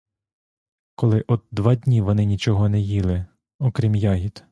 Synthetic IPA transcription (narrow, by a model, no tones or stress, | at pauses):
kɔlˠɪʔɔd̪d̪ʋɑd̪ʲnʲiʋɔnɪnʲit͡ʃɔɦɔnɛjilˠɪ | ɔkɾʲimjɑɦʲit̪